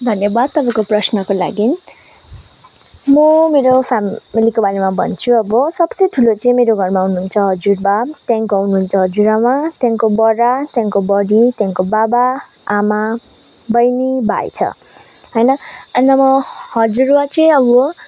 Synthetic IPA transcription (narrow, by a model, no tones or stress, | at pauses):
d̪ʱʌnjʌbad̪̚t̪ʌpãj̃koprʌsnʌkola̰ɡin | mʌmeɾopʰamilikobalemabʱʌ̰nt͡sʰuʌbʌsʌbt͡sʌjʈʰulot͡sʌĩmeɾoɡʱʌrmaɦunuɦunt͡sʰʌɦʌd͡zurbat̪jãŋkoʌɦunuɦunt͡sʰʌɦʌd͡zuɾamat̪jãŋkobʌɾat̪jãŋkobʌɽit̪jãŋkobaba | ama | bʌjniba̰j̰t͡sʰʌ̰ | ɦʌjnʌʌnʌmʌhʌd͡zuɾwat͡sʌĩʌbo